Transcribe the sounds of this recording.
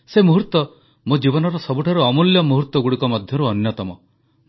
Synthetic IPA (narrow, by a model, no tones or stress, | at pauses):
semuɦuɾt̪ɔ | mod͡ʒibɔnɔɾɔsɔbuʈʰaɾuɔmuljɔmuɦuɾt̪wɔɡuɽikɔmɔd̪ʱjɔɾuɔnjɔt̪ɔmɔ